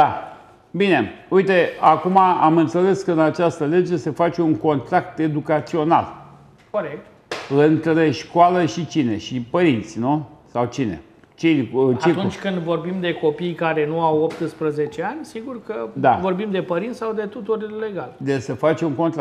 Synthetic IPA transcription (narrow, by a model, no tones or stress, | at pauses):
d̪a | bine̞ujt̪e̞akumaamɨnt̪se̞le̞skəɨnat͡ʃast̪əle̞d͡ʒe̞se̞fat͡ʃe̞uŋko̞nt̪ɾak̚t̪e̞d̪ukat̪sio̞na̰l | ko̞ɾek̚t̪ | ɨnt̪ɾeʃkoaləʃit͡ʃine̞ʃipəɾint̪sʲnusawt͡ʃine̞̰ | t͡ʃit͡ʃaitunt͡ʃʲkɨnd̪vo̞rbimd̪e̞ko̞pijkaɾe̞nuawop̚t̪ɨspɾəze̞t͡ʃeanʲsiɡurkəd̪avo̞rbimd̪e̞pəɾint̪sawd̪e̞t̪ut̪urle̞ɡald̪esəfat͡ʃe̞uŋko̞nt̪ɾa